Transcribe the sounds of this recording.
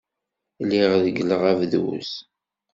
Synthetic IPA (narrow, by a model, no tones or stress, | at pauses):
liʁðəɡələʁævðwṵs